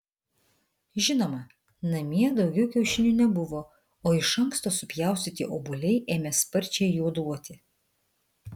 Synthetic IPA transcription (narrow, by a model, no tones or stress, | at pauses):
ʒʲɪnoːmɐ | nɐmʲiɛd̪ɒʊɡʲɛʊkʲɛʊʃʲɪnʲuːnʲɛbʊʋoː | oːɪʃɐŋkst̪oːsʊpʲjæˑʊsʲt̪ʲɪt̪ʲḭʔoːbʊlʲɛɪʔeːmʲɛspɐɾʲt͡ʃʲɛɪjuːd̪uɔt̪ʲɪ